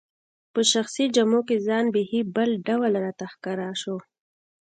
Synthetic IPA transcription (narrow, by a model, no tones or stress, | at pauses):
pəʃaxsid͡ʒamokezɑnbehibəlɖawlɾɑt̪axkɑɾɑʃo